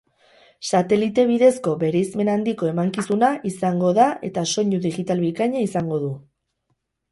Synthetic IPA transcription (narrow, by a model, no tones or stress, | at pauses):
sat̪e̞lit̪e̞β̞iðe̞sko̞βe̞ɾejzme̞nand̪iko̞e̞maŋkisunaʔisaŋɡo̞ðae̞̰t̪aso̞ɲuðiɣit̪alβikaɲaisaŋɡo̞ðu